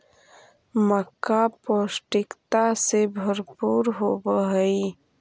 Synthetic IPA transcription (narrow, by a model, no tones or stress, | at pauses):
məkːapoːsʈɪkt̪asebʱəɾpuːɾɦobəɦəi